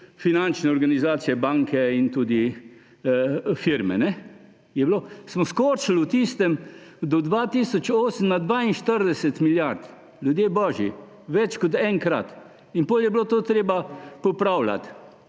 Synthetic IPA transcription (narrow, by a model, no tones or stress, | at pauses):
finant͡ʃnɛɔɾɡanizaːt̪sijɛbaŋkɛint̪uːd̪i | fiɾmɛ̰nɛ | jɛbiloːsmɔskot͡ʃlut̪iːst̪ɛmd̪ɔd̪ʋaːt̪isɔt͡ʃoːsəm̩nad̪ʋaːinʃt̪əɾd̪ɛsɛt̪miljaɾt̪ | ljud̪jeːbɔːʒji | ʋɛt͡ʃkɔt̪ɛŋkɾat̪ | inpoljɛbiloːt̪oːt̪ɾeːbapɔpɾawla̰t̪